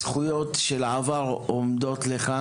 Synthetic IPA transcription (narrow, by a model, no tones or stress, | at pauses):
χujotʃelaavaʁomd̪o̞t̪leχa